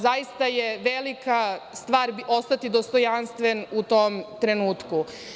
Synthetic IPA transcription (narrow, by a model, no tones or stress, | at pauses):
zajist̪ajeʋelikast̪ʋaːɾo̞st̪at̪id̪ost̪ojanst̪ʋenut̪oːmt̪ɾenuːt̪ku